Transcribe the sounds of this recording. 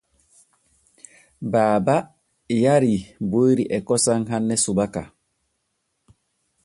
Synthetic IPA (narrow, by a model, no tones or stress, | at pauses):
baːba | jaɾibojɾiʔɛkɔsaŋɦanːɛsubaka